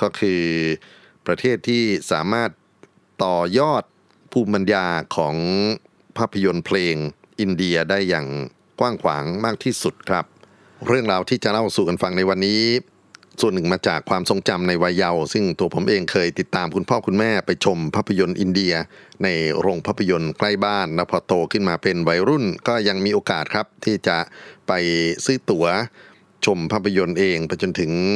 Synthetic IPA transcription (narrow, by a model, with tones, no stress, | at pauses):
kɔː˥˩kʰɯː˧ | pɾa˧t̪ʰeː˥˩t̪ʰːiː˥˩saː˩˦maː˥˩t̪̚ː | ɔː˨˩jɔː˥˩t̪̚ | pʰuː˧mba˧njaː˧kʰɔː˩˦ŋ | pʰaː˥˩pʰːa˧jo˧npʰleː˧ŋ | ʔi˧ndi˧ɐdaː˥˩jːaː˨˩ŋ | kwaː˥˩ŋkʰwa̰ː˩˦ŋmaː˥˩k̚t̪ʰiː˥˩su˨˩t̪̚kʰɾa˦˥p̚ | ɾɯ˥˩əŋɾaː˧wt̪ʰiː˥˩t͡ɕa˨˩ʔla˥˩wsuː˨˩ka˧nfa˧ŋna˧jwa˧nːiː˦˥ | su˨˩ənːɯ˨˩ŋmaː˧t͡ɕaː˨˩kʰwaː˧mso˧ŋt͡ɕa˧mna˧jwa˧jːa˧wsɯ˥˩ŋt̪u˧ɐpʰo˩˦mʔeː˧ŋkʰɤː˧jt̪i˨˩t̪ːaː˧mkʰu˧npʰɔː˥˩kʰu˧nmɛː˥˩pa˧jt͡ɕʰo˧mpʰaː˥˩pʰːa˧jo˧nʔi˧ndi˧ɐna˧jɾoː˧ŋpʰaː˥˩pʰa˧jo˧nkla˥˩jbaː˥˩nlɛː˦˥wpʰɔː˧t̪oː˧kʰɯ˥˩nmaː˧pe˧nwa˨˩˦jɾu˥˩nkɔː˥˩ja˧ŋmiː˧ʔoː˧kaː˨˩t̪̚kʰɾa˦˥p̚t̪ʰiː˥˩t͡ɕa˨˩pa˧jsɯː˦˥t̪u˩˦ɐ | t͡ɕʰo˧mpʰaː˥˩pʰːa˧jo˧nʔeː˧ŋpa˧jt͡ɕo˧nt̪ʰɯ˩˦ŋ